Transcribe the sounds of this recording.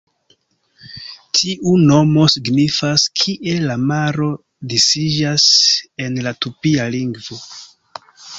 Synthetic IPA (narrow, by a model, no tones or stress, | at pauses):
tʰiʔuno̞mo̞siɡnifaskʰiʔe̞lamaɾo̞ | disid͡ʒase̞nlatupialiŋɡvo̞